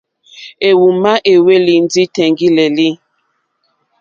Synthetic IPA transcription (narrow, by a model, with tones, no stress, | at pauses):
e˨wu˨ma˦ʔe˨we˦li˨n̩˦di˦tɛ˨ŋɡi˦le˨li˦